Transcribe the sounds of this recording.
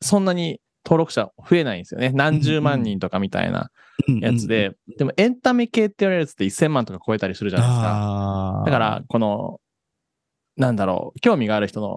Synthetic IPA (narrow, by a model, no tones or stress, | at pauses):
sõ̞nːaɲ̟i | t̪ʰo̞ːɾo̞kɯ̟̥ɕaɸɯ̟e̞naĩnesɨjo̞̰ne̞nãɲ̟d͡ʑɨːmãɲ̟ːĩnt̪o̞kamʲit̪a̰ḭna̰ | jat͡sɨd̪e̞d̪̥e̞mo̞ʔẽ̞nt̪ameke̞ːt̪ːeoɾeɾɯ̟t͡sɨ̥t̪ːeisːẽ̞mːãnt̪o̞kḁko̞e̞t̪aɾʲisɨɾɯ̟ʑana̰eesɨkad̪akaɾa̰ko̞no̞̰ | nãnd̪aɾo̰ːkʲo̞ːmʲiɡaːɾɯ̟çi̥t̪o̞no̞̰